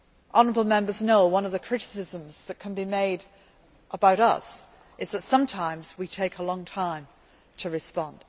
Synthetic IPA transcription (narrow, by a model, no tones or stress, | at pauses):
ʔɑnəɹəbl̩ˠmɛ̃mbə˞znoʊwʌ̃nʌvðɨkʰɹ̥ɪɾɨ̥sɪzə̃mz̥ðɨt̚kʰɨ̃n̩bimeɪɾ | ʔəbaʊɾʌ̰s | ʔɨzðɨtsʌ̃mtʰãɪ̃mzwitʰeɪkʰəlɔ̃ŋtʰãɪ̃m | tʰɨɹɨspɑ̃nd̥